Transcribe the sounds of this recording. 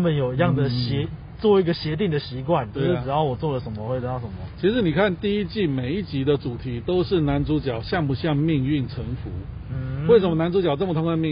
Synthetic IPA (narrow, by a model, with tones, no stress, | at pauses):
a˥mə˨njo˨˩ʊi˧˥jɑ˥˨˩ŋd̪ə˩ɕɛ˧˦˥ | t͡swɔ˥˩i˧˥ɡə˨ɕjɛ˧˥t̪i˥˩ŋd̪ə˨˩ɕi˧˥kwa˥˩nt͡ɕo˥˧we˥˩ʂɻ̩˥˨˩jɑ˥˩ʊwɔ˨˩t͡swɔ˥˩lə˩ʂə˧˦nmə˧˦xwe˥˩ɪt̪ə˧˩t̪ɑ˥˩ʂə˧˩˦mɐ˦˩t͡ɕʰi˧˥ʂɻ̩˧˥ni˨˩kʰa˥˨nt̪i˥˩i˥t͡ɕi˥˩me˨˩ɪi˥˩t͡ɕi˧˥d̪ə˨ʈ͡ʂu˨˩t̪ʰi˧˥˦t̪o˥ʊʂɻ̩˥˩na˧˥nt͡su˧˥t͡ɕjɑ˨˩ʊɕjɑ˥˩ŋpu˧˥ɕjɑ˥˧ŋmi˥˧ŋy˥˩nʈ͡ʂʰə˧˥ŋfu˧˥˧ | we˥ɪə˧˥nmə˧na˧˥nt͡su˧˥t͡ɕjɑ˨ʊʈ͡ʂə˥˩mə˩t̪ʰʊ˥ŋka˥˧mi˥˧